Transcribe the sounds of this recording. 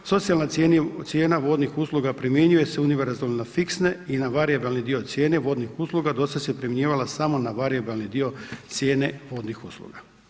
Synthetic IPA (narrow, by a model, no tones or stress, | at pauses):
so̞t̪sialnat̪sje̞ːnt̪sje̞ːnaʋo̞ːd̪nixuslˠuɡapɾimje̞ɲuje̞seuniʋeɾzalnafiksneinaʋaɾiabalnid̪io̞t̪sje̞ːne̞ʋo̞d̪nixuslˠuɡad̪o̞sasjepɾimeɲeːʋalasamo̞naʋaɾiabalnid̪io̞t̪sʲje̞ːne̞ʋo̞ːd̪nixuslˠṵɡa